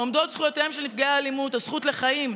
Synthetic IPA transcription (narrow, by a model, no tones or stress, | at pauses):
omd̪o̞t̪sχujot̪eemʃenifɡeaːlimut̪hazχutle̞χajim